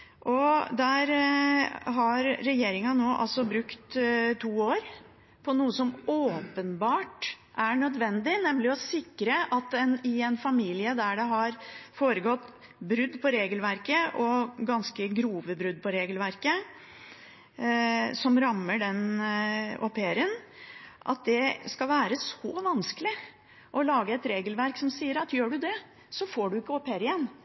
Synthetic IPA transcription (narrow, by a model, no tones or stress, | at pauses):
ʔɔd̪æɾ | ɦɑɾːɛjeːɾɪŋɑnoːʔɑ̰lsɔbɾʉkt̪t̪ʰuːoːɾ | pʰɔnuːəsɔmoːpənbɑːʈ | ʔæɳœd̪ʋɛnd̪ɪnɛmlɪɔsɪkːɾəʔɑt̪ɛnɪɛnfɑmiːlɪəd̪æɖɛɦɑɾfoːɾəɡɔt̪ː | bɾʉd̪ːpʰɔɾeːɡəlʋæɾkəʔɔɡɑnskəɡɾuːʋəbɾʉd̪̚pʰɔɾeːɡəlʋæɾkə | sɔmɾɑmːəɖɛn | ɔpeːɾən | ʔɑ̰t̪̚d̪ɛskɑlʋæːɾəsɔʋɑnskəlɪ | ʔɔlɑːɡəɛt̪ɾeːɡəlʋæɾksɔmsiːəɾɑt̪jøːɖʉd̪ɛ | sɔfoːɖʉɪkːəɔpːheɾɪjɛnː